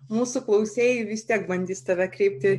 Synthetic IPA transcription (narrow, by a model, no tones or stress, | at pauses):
muːsʊklˠɐʊsʲeːjɪʋʲɪst̪ʲiɛkbɐnʲd̪ʲiːst̪ɐʋʲɛkɾʲɛɪp̚ʲt̪ʲɪ